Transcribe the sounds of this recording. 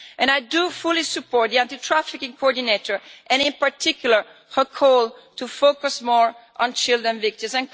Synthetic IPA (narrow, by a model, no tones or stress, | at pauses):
ɛ̃najdufulisupːɔɾt̪̚d̪iãnt̪it̪ʰɹafikĩŋkoɔɹdinet̪əɹʔɛ̃nĩmpaɹt̪ʰikjuləɹ | həkʰolt̪ufokusmɔːɹʔɔ̃nt͡ʃild̪ɾə̃nvik̚t̪ĩmsɛ̃nk